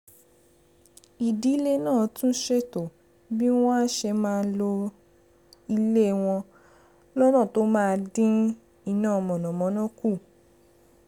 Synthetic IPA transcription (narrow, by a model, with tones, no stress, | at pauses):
i˨di˨˦i˦le˦nãː˦˨tũ˦ʃe˦to˨ | bi˦w̃ɔ̃˦a˦ʃɛ˧mãː˦˧˦lo˧ | i˧le˦˨w̃ɔ̃˧ | lɔ˦nɔ̃˦˨to˦mãː˦˧dĩ˦ | i˧˨nãː˦˨mɔ̃˨nɔ̃˨mɔ̃˨˦nɔ̃˦ku˦˨